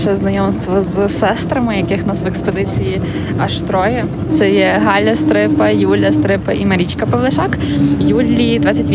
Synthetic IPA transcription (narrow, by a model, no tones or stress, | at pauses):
ʃɛznɐjɔmst̪ʋɔzsɛst̪ɾɐmɪjɐkɪxnɑsʋekspɔd̪ɪt͡sʲiji | ɐʃt̪ɾɔjɛ | t̪sɛjɛɦɑlʲɐst̪ɾɪpɐjulʲɐst̪ɾɪpɐʔimɐɾʲit͡ʃkɐpɔʋlˠɐʃɑkjulʲːid̪ʋɑt͡sʲːɐtʲʋʲ